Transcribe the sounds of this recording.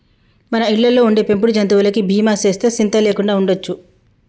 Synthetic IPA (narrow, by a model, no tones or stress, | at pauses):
mɐnɐiɭːɐlːo̞ːuɳɖeːpe̞mpuɽud͡ʒɐnt̪̬uʋɐlɐkibʱiːmaːt͡ʃe̞ːst̪e̞ːsint̪ɐle̞ːkuɳɖaːuɳɖot͡ʃːu